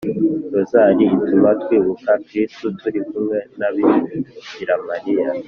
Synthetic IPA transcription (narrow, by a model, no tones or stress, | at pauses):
tozaɾiːtumatwiːβukakɾistutuɾikumŋe̞naβiɟiɾamaɾija